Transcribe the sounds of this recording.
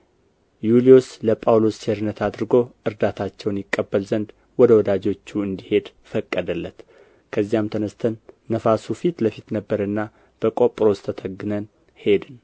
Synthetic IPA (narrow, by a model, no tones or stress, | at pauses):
julijosləpʼawlo̞st͡ʃeɾɨnːət̪ʰad̪ɨɾɨɡo̞ʔɨɾd̪at̪ʰat͡ʃːɛwnjɪkʼːəbːəlzənd̪ | wɔd̪əwɔd̪ad͡ʒo̞t͡ʃːuɨnd̪ihe̞d̪ | fəkʼːəd̪əlːət̪ | kʰəzːijamt̪ʰənəst̪ʰənːəfasufit̪ləfit̪nəbːəɾɨnːa | b̥əkʼo̞pʼɾo̞st̪ʰət̪ʰəɡːɨnən | he̞d̪ɨn